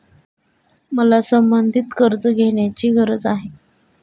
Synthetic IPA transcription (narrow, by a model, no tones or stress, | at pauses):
məlasəmbənd̪ʱit̪kəɾd͡zəɡʱeɳjat͡ɕiːɡʱəɾəd͡zaɦe